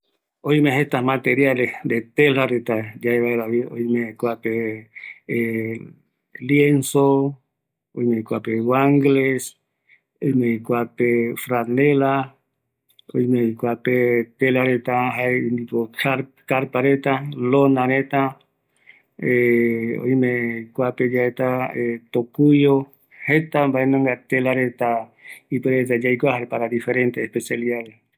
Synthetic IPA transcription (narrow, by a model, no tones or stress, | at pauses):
oĩmeɦet̪amat̪eɾjalesd̪et̪elaɾet̪ad͡ʒaeβaelaβio̰jmekʷape | ljenso | ojmeikʷapewaŋɡles | ojmẽikʷapefɾanela | ojmeikʷapet̪elaɾet̪aɦaeind̪ikokaɾ | kaɾpaɾet̪alonãɾet̪a | eo̰jmeikʷaped͡ʒaet̪aet̪okujo | het̪ambaenõŋɡat̪elaɾet̪aipeɾet̪ad͡ʒajkʷahaɾpaɾad̪ifeɾent̪eːspesjaliaɾe